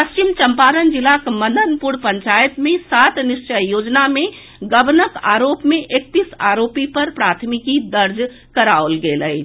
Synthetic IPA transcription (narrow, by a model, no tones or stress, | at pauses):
pəst͡ʃimt͡ʃə̃mpaːɾənd͡ʒɪlakmə̃nd̪ʱənpʊɾpə̃ɲt͡ʃaːjət̪mẽsaːt̪nɪʃt͡ʃəjjoːd͡ʒnamẽ | ɡəbnəka̰ːɾoːpmẽʔek̚t̪isaːɾoːpipɐɾpɾaːt̪ʰmɪkid̪əɾd͡ʒ | kəɾaolɡeːləi